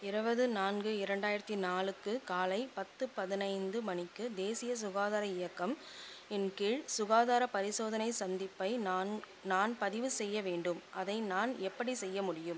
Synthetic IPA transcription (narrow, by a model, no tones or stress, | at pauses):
ɪɾɯbɐðɯnaːnɡɯɪɾɐɳɖaːjɪɾɐt̪ːinaːlɯkːɯkaːlɐɪpɐt̪ːɯpɐðɪnɐɪnd̪ɯmɐnɪkːɯd̪eːsɪjɐs̬ʊɣaːðaːɾɐɪjɐkːɐm | ɪnkiːɻsʊɣaːðaːɾɐpɐɾɪsoːðɐnɐɪsɐnd̪ɪpːɐɪ | naːnpɐðɪʋɯsɛjːɐʋeːɳɖɯmʔɐðɐɪnaːnɛpːɐɽisɛjːɐmʊɽɪjɯm